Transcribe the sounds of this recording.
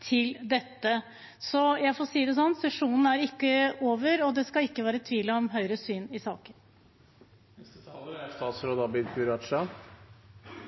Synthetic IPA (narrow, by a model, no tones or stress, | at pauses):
t̪ʰɪld̪ɛt̪ːə | sɔjæɪfoːɾsiːd̪ɛsɔnːsɛʂuːnn̩æɾɪkːəoːʋəɾɔd̪ɛskɑɪkːəʋæːɾət̪ʰʋiːləɔmɦœʏɾəsyːnɪsɑ̰ːkən | st̪ɑːt̪sɾoːd̪ɑbɪnpʰʉɾɑɑ